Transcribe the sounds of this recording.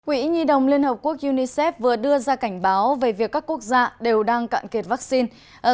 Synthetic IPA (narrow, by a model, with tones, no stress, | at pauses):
kwḭ˧˥ɲi˧ɗə˨˩wŋ͡mli˧ənhə˨˩p̚ku˦˥ək̚ʔu˧ni˧sɛ˦˥p̚vɨ˨˩əɗɨ˧əzaː˧ka˧˩jŋ̟ɓaː˨˦wve˨˦vi˨˩əkːaː˦˥kːu˦˥ək̚zaː˧ɗe˨˩wɗaː˧ŋka̰ː˧˨mke˨˩t̚vaː˦˥k̚si˧n | ʔəː˧˩